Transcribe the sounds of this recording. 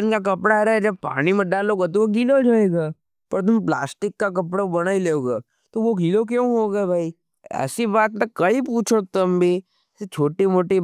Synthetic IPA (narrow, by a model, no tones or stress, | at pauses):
nkak̬ɐpɽaɾaɛd͡ʒɐb̚pa̰ːnimẽɖaːloɡat̪̬oʋoɡʱiːlod͡ʒoːeːɡaː | pɐɾt̪̬ʊmpla̰ːsʈɪkːakɐpɽabɐñaːileːoːɡaː | t̪oʋoɡʱiːlok̬jõːɦoːɡebʱaːi | ɛ̰ːsibaːt̪tɐkkɐipuːt͡ʃʰot̪ɐmbʱi | set͡ʃʰoːʈimoːʈi